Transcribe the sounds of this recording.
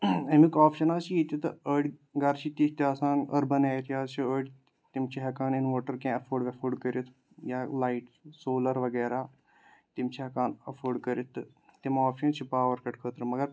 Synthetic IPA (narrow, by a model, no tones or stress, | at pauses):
ɐmikɔːpʰʃənaːt͡ʃiit̪t̪əɖɡɐɾt͡ʃʰit̪it̪aːsãːnə̰ɾbənɛːt̪aːzt͡ʃʰiəːɖ | t̪ɪmt͡ʃʰiɦɐkaːninʋoːʈəɾkẽːəpʰoːɖʋɐpʰoːɾɖkəɾit̪ʰ | jaːlaːiʈsoːləɾʋəɡɛːɾaː | t̪ɪmt͡ʃʰiɦɐkaːnəpʰoːɖkəɾit̪ʰ | t̪ɪmɔːpʰʃənt͡ʃʰipaːʋəɾkɐʈ̚kʰəːt̪əɾmɐɡəɾ